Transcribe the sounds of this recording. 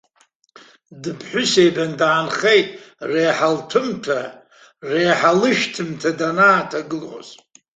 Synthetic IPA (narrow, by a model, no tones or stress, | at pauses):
dɨpʰħʷᶣʊsejbandaːnχejtʼrejħaltʰɨmtʰa | rejħalɨʃtʰɨmtʰadanaːtʰaɡɨlʕʷo̰z